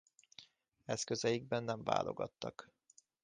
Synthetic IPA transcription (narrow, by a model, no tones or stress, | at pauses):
ɛskøzɛjiɡ̚bɛnːɛɱva̰ːlʔo̞̰ɡɒt̪ːɒk